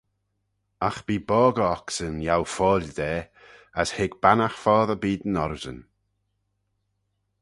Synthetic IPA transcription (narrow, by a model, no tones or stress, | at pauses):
axb̥iːbɔːɡəɔksənjawfɔːlʲd̪ɛː | əshɪɡbanaxfɔːðəbiːd̪ən̩ɔɾzə̰n